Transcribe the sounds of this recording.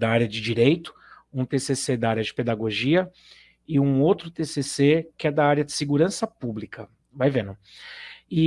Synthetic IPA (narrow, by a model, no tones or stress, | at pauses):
d̪ɐaɾjɐd͡ʒɪd͡ʒiɾejt̪ʊ̥ũt̪esesed̪aaɾʲjɐd͡ʒɪped̪aɡoʒiɐ | ɪũowt̪ɾʊt̪esesekɪɛd̪ɐaɾjɐd͡ʒɪ̥sɪɡuɾɐ̃sɐpublikɐ | vajvẽnʊ | ɪ